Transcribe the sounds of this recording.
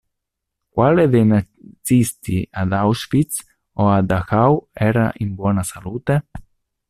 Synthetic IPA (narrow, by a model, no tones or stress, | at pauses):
kwaled̪ena | sist̪iad̪awsfit̪s | oad̪axawɛɾa̰ʔimbwɔnasaluːt̪e